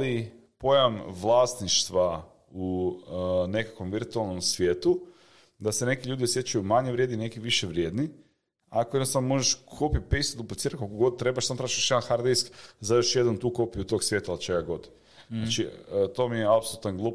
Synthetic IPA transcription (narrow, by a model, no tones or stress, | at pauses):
li | po̞jamʋlˠast̪niʃt̪ʋa | u | ne̞kakʋo̞mʋiɾt̪ualˠno̞msʋje̞ːt̪u | d̪ase̞ne̞kiʎuːd̪iosje̞t͡ʃajumaɲeʋɾjed̪nine̞kiʋiʃeʋɾje̞d̪ni | akojed̪nost̪aʋnomo̞ʒeʃkʰopipeist̪ud̪uplˠit̪iːɾat̪kokoɡo̞d̪̚t̪ːɾe̞baʃsant̪ɾaʃaʃjd̪anxaɾd̪ijskzajo̞ʃje̞d̪ant̪uːko̞piut̪oɡsʋjeːt̪alt͡ʃe̞ɡaɡo̞d̪ | nat͡ʃit̪o̞ːmieapsolˠut̪anɡlˠuːp